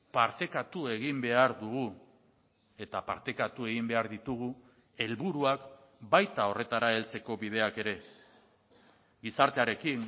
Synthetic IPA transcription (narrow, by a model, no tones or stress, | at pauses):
paɾt̪e̞kat̪ue̞ɣimbe̞aɾd̪uɣu | e̞t̪apa̰ɾt̪e̞kat̪ue̞ɣ̞imbe̞aɾðit̪uɣu | e̞lβuɾuak | bajt̪ao̞re̞t̪aɾae̞lt͡se̞ko̞βið̞e̞ake̞ɾe̞ | ɡisaɾt̪e̞aɾe̞kiŋ